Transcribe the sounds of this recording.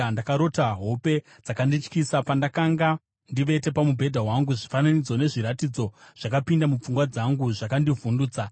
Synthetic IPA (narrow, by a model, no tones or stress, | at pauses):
ndakaɾo̞taɦo̞pe̞ | d͡zakandit͡ʃkisapandakaŋɡa | ndiʋe̞te̞pamubʱe̞dʱawaŋɡuʐifananid͡zo̞ne̞ʐiɾatid͡zo̞ʐ̥akapindamup͡fuŋɡwad͡zaŋɡuʐakandivunduːt͡sa